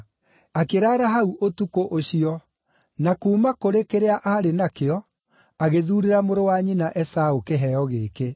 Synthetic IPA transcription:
akeɾaːɾaɦauʔotukoʔoɕiɔ | nakuːmakoɾekeɾeaʔaɾenakeɔ | aɣeðuːɾeɾamoɾowaɲinaʔɛsaokeɦɛɔɣeːke

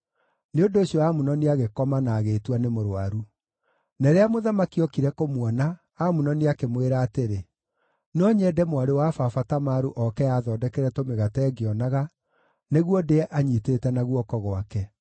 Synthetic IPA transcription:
neondoːɕiɔamunɔniaɣekɔmanaːɣeːtwanemoɾoaɾu | nɛɾeamoðamakiɔkiɾɛkomwɔna | amunɔniakemweɾaːteɾe | nɔɲɛdɛmwaɾewafafatamaɾuʔɔkɛaðɔdɛkɛɾɛtomeɣatɛːɡeɔnaɣa | neɣwɔdeʔaɲitetɛnaɣwɔkɔɣwakɛ

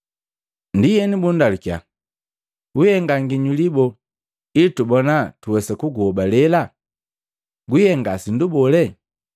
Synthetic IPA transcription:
ndijɛnibundalukja̰ | ujɛŋɡaŋɡiɲulibɔ | itubɔnatuwɛsɛkuɡuɔbalɛla | ɡijɛŋɡasindubɔlɛ

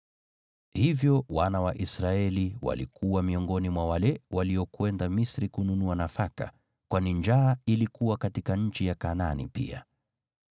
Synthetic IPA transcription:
hivjɔwanawaʔisɾaɛliwa̰lḭkʰuwamiɔŋɡɔnimwawalɛwaliɔkwɛndamisɾikununuanafaka̰ | kwanind͡ʒaːilikuwakatikaɲ̩t͡ʃijakananḭpḭa̰

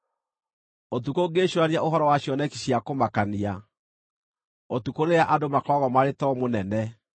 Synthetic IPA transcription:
ot̬ukoɡeɕwanaʔoɦɔɾɔwaɕjɔnɛki̥ɕiakomakania | otukoɾeaʔadomakɔɣɔmaɾetɔmonɛnɛ

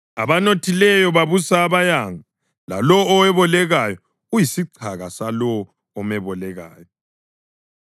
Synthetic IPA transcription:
a̰βanotʰilɛjɔβaβusaːβajaŋʱa | la̰lɔːwɛβɔlɛɣajɔ | ujisiǀʰaɣasalɔː | mɛβɔlɛɣaːjɔ

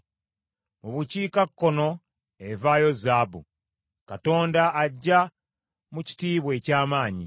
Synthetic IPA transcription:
oβuciːkakːo̞no̞ | evajo̞zaːbṵ | kato̞ːndaːɟːa | muci̥tiːβwe̞ːcaːmaːɲḭ

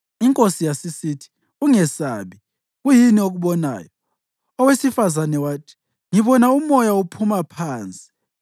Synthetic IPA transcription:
iŋkʼosijasisitʰi̥ | uŋɛsaβi | ɣujinioɣuɓɔna̰ːjɔ | ɔwesifazanɛwaːtʰi̥ | ŋiβɔnaumɔjaupʰumapʰaːnt͡sʼi̥

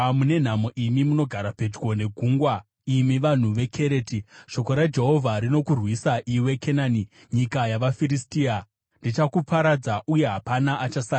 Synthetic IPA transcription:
mune̞n̤amo̞ʔimimuno̞ɡʱaɾape̞d͡ʒwo̞ne̞ɡʱuːŋɡwa | imiʋan̤uʋe̞kʰe̞ɾe̞ːtiʃo̞ko̞ɾad͡ʒe̞ɦo̞vʱaɾino̞kurwisaʔiwe̞kʰe̞naːni | ɲikajaʋafiɾistiːa | ndit͡ʃakupaɾad͡zaʔuje̞ɦapanaʔat͡ʃasaː

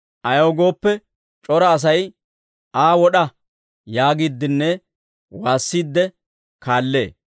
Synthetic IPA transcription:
ʔɐjoːɡo̞ːpːɛ | t͡ʃʼɔɾɐːs̬ɐj | ʔaːwɔɗɐ | jaːɡid̪ːɪnːɛ | waːsːiːd̪ːɛ | kaːlːe̞̰ː

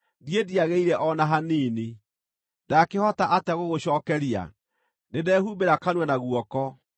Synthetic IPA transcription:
diediaɣeiɾɛʔɔnaɦaniːni | dakehɔtaʔataɣoɣoɕɔːkɛɾia̰ | nedɛːhubeɾakanwɛnaɣwɔkɔ

